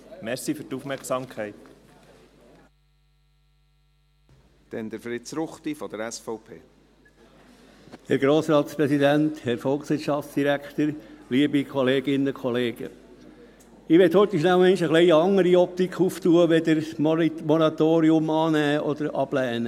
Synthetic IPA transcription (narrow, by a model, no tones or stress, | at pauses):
mɛɾsifyɾtufmɛɾksɑmkʰɛɪt̪ | d̪̥ɛnd̪əɾfɾɪtsɾʊχt̪ifɔd̥̪əɾɛsfɔʊpʰḛː | hɛɾɡɾoːsɾɑːt̪spɾɛsid̪ænt̪hɛɾfɔlˠksʋɪːɾtʃɑftsd̪̥iɾækt̪əɾliəbikʰɔleːɡ̥ɪnəkʰɔleːɡ̥ə̰ | ɪʋɛt̪hœt̪əʃnælmɛnʃəχlɛɪəɑŋːəɾiɔp̚t̪ikʰuft̪uːəʋɛd̪əɾmɔɾɑt̪oːɾiʊmɑːnæːʔɔd̪əɾɑb̥lɛːnə